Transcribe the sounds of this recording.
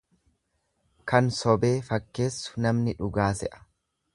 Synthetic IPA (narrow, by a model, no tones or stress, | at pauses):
kɐnsɔbe̞ːfɐkːe̞ːsːʊ̥nɐmnɪᶑʊɡaːsɛʔɐ̥